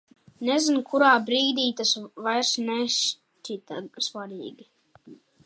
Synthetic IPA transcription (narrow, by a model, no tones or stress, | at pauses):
nɛzinkʰuɾaːbɾiːd̪iːt̪asvajɾsnɛʃ | t͡ʃit̪asvaɾiːɡʲi